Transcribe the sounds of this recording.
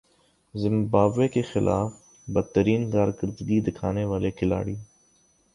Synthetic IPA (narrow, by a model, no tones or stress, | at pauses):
zɪ̃mbaːʋekexɪlʔa̰ːf | bɐd̪̚t̪ːəɾiːnkaːɾɡəɾd̪ɡid̪ɪkʰaːneʋaːlekʰɪla̰ːɽiː